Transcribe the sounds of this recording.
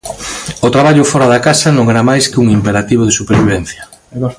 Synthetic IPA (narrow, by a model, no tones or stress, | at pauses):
ot̪ɾaβaʎʊfɔɾaðakasɐnõŋeɾamajskɪuŋimpeɾat̪iβ̞oðesupeɾβiβɛn̟θjɐ